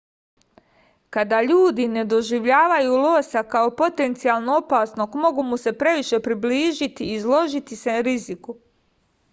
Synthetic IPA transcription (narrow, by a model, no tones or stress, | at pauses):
kad̪aʎuːd̪ine̞d̪o̞ʒiʋʎaːʋajulo̞ːsakao̞po̞t̪e̞nt̪sialˠnoopaːsnoɡmo̞ɡumuse̞pɾe̞ʋiʃe̞pɾibliːʒit̪iːzlˠo̞ʒit̪iseɾiziku